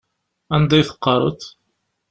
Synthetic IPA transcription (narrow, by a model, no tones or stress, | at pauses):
ænd̪æjθə̥qːɑɾˤə̰t̪